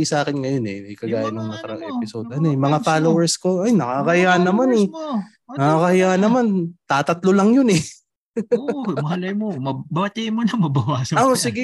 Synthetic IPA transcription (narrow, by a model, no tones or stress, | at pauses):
isʔaːkɪnŋɐjonɛmɐjkɐɡaːjɐnɐŋmɐŋakɐɾɐŋʔɛ̰pɪso̞ːd̪̚ʔɐnoɛmɐŋafaːlowɛɹsko̞ajnɐkaːkɐhɪjaʔɐnːɐmanɛ | nɐkaːkɐhɪjaːʔɐnɐmant̪aːt̪ɐt̪lolɐŋjonɛ | mɐhɐlɐjmomɐbɐɐt̪imonɐmɐbɐwaːsɐoʔsɪɡɛ